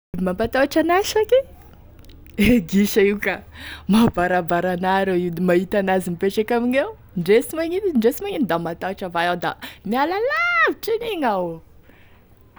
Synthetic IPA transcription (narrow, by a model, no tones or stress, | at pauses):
bimampat̪aaʈ͡ʂanaʃake | eɡiʃaikʲamabaɾabaɾanaɾewimait̪anazimipeʈ͡ʂekʲamiɲew | ɳɖ͡ʐesimaɲiniɳɖ͡ʐesimaɲinid̪amat̪aaʈ͡ʂavaawd̪a̰mialalaviʈ͡ʂiniŋaw